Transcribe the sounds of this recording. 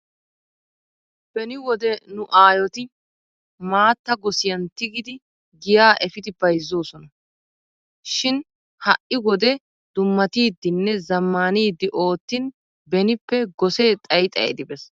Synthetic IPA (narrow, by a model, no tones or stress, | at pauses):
b̥ɛnɪwɔd̪ɛnʊʔaːjɔt̪ɪ | maːt̪ːɐɡɔsɪjɐnt̪ɪɡɪd̪ɪ | ɡɪjaːʔɛfɪd̪ɪbɐjzːoːsɔnɐ | ʃɪn | hɐʔɪwɔd̪ɛ | d̪̥ʊmːɐt̪iːd̪ːɪnːɛzɐmːaːniːd̪ːɪʔo̞ːt̪ːɪn | bɛnɪpːɛɡɔseːt̪ʼɐjt̪ʼɐ̰jɛ̰d̪ɪbɛs